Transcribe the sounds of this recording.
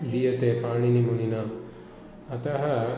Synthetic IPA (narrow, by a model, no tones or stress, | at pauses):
d̪ijɐt̪epaːɳinimunina | ɐt̪ɐɦɐ